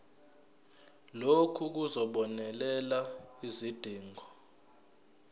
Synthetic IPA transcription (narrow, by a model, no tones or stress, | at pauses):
lokʰuk̬uzɔɓɔnɛlɛlaizid̥ʱiːŋʱɔ